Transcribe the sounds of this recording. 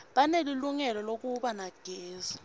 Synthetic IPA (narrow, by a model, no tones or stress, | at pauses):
ɓaneliluŋɛlɔlok̬ʼuɓanaɡ̥ʱɛːza